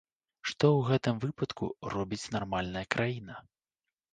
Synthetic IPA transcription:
ʂt̪ɔwɣɛt̪ɨmvɨpɐt̪kṵrɔbʲit͡sʲnarmalʲnɐjɐkɾʔajinɐ

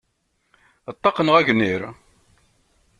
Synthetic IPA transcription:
t̪ˤːɑqənəʁæʝniɾ

